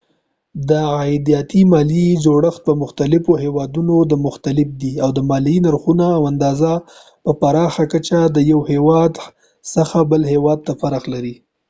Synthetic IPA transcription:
d̪əajd̪ijɑt̪imɑlid͡ʒoɽəxt̪̚pəmʊxt̪alɪfoɦewɑd̪unod̪əmʊxt̪alɪfd̪iawd̪əmɑlinaɾxunaːwand̪ɑza | pəpaɾɑxakat͡ʃad̪əjawhewɑd̪ | səxabəlɦewɑd̪̚t̪afaɾaxlaɾi

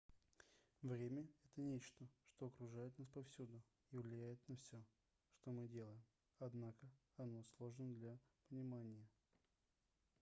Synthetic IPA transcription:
vɾʲemʲəɛt̪ənʲet͡ɕt̪əʂt̪oɐkɾʊʐajɪt̪naspɐfsʲud̪ʊ | ivlʲɪjæjɪt̪nɐfsʲo | ʂt̪o̞mɨdʲe̞lˠəjɪm | ɐd̪nakə | ɐno̞slˠo̞ʐnəd̪lʲapənʲɪmanʲɪjə

